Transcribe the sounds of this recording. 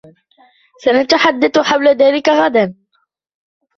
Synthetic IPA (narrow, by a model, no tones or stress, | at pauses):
sanat̪aħad̪ːaθħawlaðaːlɪkaɣad̪an